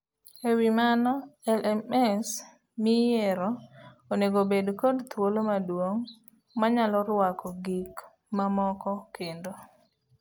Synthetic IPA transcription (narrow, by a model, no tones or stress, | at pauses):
ewimanɔɛlʔɛmɛs | mɪjɛɾɔoneɡobedkodt̪wolomadwoŋ | maɲalɔɾwakʰɔɡik | mamɔkɔkʰendo